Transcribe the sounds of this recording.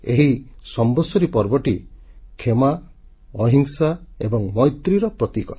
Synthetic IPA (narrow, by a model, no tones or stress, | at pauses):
eɦisɔmbɔsɔɾipɔɾbɔʈikʰema | ɔɦiŋsaḛbɔŋmɔjt̪ɾiɾɔpɾɔt̪ikɔ